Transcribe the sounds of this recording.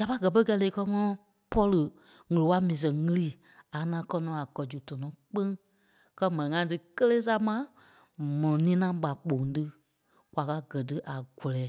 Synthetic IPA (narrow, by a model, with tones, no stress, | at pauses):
ja˨pa˦ɡɜ˨p̬ə˦kɛ˧le˧˦kɜ˧˦ŋɔ̃˦ɔ̃˧ | pɔ˦lɨ˨ | ŋɨ˨lo˨wa˦mĩː˨s̬ɛ̃˨ŋɨ˧liː˦˨ | a˨˦nã˧˦kɜ˧nɔ̃˨˦a˨ɡɜ˨d͡ʒu˨tɔ˨nɔ̃˨˦k͡pẽ˦ŋ | kɜ˧mɛ̃˨nĩ˨ŋã˧˦t̬ɨ˧kə˦leː˦s̬a˦mã˦ | mɔ̃˨ɔ̃˨nĩː˦nã˦ɓa˨k͡po˨ŋ˦tɨ˦ | kwa˨ka˧˦ɡɜ˨t̬ɨ˦ʔa˨ɡ̥ɔ˨lɛː˨˦